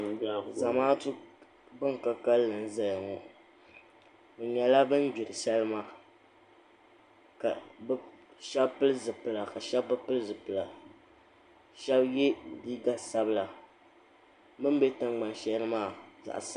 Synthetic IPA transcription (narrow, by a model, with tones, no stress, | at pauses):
za˨maː˦tu˦ | bɨ˦ŋka˦ka˦lːɨ˨n˦za˦jŋɔ˨ | bɨ˨ɲɛ˨la˦bɨ˦nbi˨ɾɨ˨ʃɛ˦lɨ˦ma˦˨ | ka̰˨bʃɛ˦bpɨ˦lɨ˦zɨ˨pɨ˨la˨ka˨ʃɛ˦bːɨ˦pɨ˦lɨ˦zɨ˨pɨ˨la˨ | ʃɛ˦bjɛ˦liː˦ɡa˦sa˦bɨ˦˨la˨ | mɨ˦m˦bɛ˦tɨ˨ŋɡ͡ba˨nʃɛ˦lɨ˦maː˦˨za̰˨ʔsa˦